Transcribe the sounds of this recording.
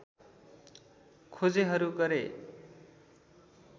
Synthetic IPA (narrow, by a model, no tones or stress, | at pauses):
kʰod͡zeɦʌɾuɡʌɾe